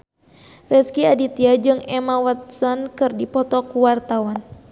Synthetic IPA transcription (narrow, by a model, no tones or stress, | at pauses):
rɛskiadit̪iad͡ʒɨŋɛmawat̪̚sɔnkɨrdipɔt̪ɔkuwart̪awan